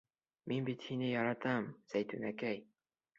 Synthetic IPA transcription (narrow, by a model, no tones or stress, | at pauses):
minbit̪hinɘjɒɾɑt̪ɑmsæjt̪ʉnækæj